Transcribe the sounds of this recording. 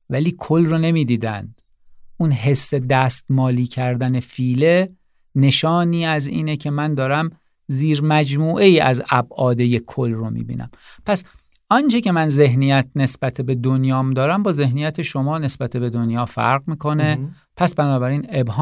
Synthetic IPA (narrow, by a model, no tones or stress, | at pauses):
væliːkʰolrone̞miːd̪iːd̪æ̰nd̪̥ | ʔunɦe̞sːe̞d̪æst̪mɒːliːcʰæɾd̪æne̞fiːle̞ | ne̞ʃɒːniːæzḭːnecʰe̞mænd̪ɒːɾæm | ziːɾmæd͡ʒmuːʔe̞iːæ̰zæbʔɒːd̪ejekʰolromḭːbḭːnʔæ̰mpʰæs | ʔɒnt͡ʃʰece̞mænze̞ɦnijæt̪̚ʰne̞sb̥æt̪ʰebe̞d̪onjɒːmd̪ɒːɾæmbɒːze̞ɦnijæt̪ʰe̞ʃo̞mɒːne̞sbæt̪ʰe̞be̞d̪onjɒːfæ̰ɾɣmiːkʰo̞ne̞ | pʰæsbænɒːbæɾiːne̞bɦː